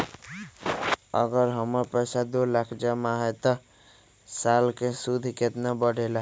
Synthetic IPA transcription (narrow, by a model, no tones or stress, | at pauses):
ə̰ɡəɾɦəməɾpəsad̪olakʰd͡ʒamaɦet̪ə | salkesud̪ʱiket̪nabəɽʱela